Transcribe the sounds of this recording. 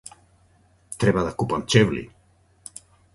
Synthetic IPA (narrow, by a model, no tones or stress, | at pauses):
t̪ɾɛβaðakupant͡ʃevlḭ